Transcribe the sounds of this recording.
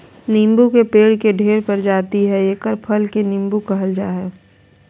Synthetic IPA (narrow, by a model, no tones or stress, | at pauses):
nɪ̃mbukepeːɽkeɖʱeːɾpəɾd͡ʒaːt̪iɦɛeːkəɾpʰəlkenɪ̃mbukɐɦəld͡ʒaːɦɛː